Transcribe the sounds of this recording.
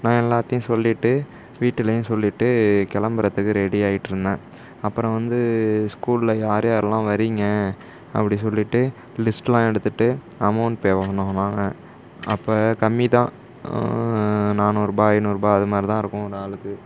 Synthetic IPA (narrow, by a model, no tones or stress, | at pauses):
nãːɛlːaːt̪ːɪjʊ̃sɔlːɪʈːɯ | ʋiːʈːɯlɐjʊ̃sɔlːɪʈːɯkɛlɐmbɐɾɐt̪ːɯkːɯɾɛɽiaːjɪʈːɪɾɯnd̪ẽː | ɐpːɯɾɔ̃ʋɐnd̪ɯskuːlɪlɐjaːɾjaːɾɐlãːʋɐɾɪŋɡɐ | ɐ̰pːɐɽisɔlːɪʈːɯ | lɪsʈlãːɛɽɯt̪ːɯʈːɯ | ɐmɐʊɳʈ̚peːʋɐɐnːoɐnãːŋɡɐ | ɐpːɐːkɐmːit̪ãː | naːnuːɾɯbaːɐɪnɯɾɯbaːɐðɯmaːd̪ɾit̪ãːɪɾɯkːʊ̃ɔɾɯaːɭɯkːɯ